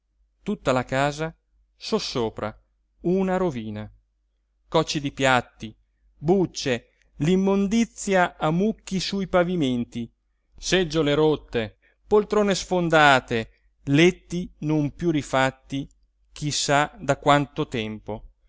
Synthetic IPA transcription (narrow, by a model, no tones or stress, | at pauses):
t̪ut̪ːalakaːza | sosːoːpɾa̰ | unaɾoviːna | kɔt͡ʃːid̪ipjat̪ːi | but͡ʃːe | limːond̪it̪sːjaːmukːisujpaviment̪i | sed͡ʒːoleɾot̪ːe | polt̪ɾoːnesfond̪aːt̪e | let̪ːinompjurifat̪ːi | k̟ʰisad̪akwant̪ot̪ɛmpo